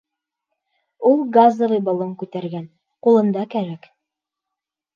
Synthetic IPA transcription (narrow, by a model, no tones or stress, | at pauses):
ulˠɡazəvɤjbɑlˠɤŋkʉt̪æɾɡæn | qulˠɤ̆nd̪ɑkæɾæk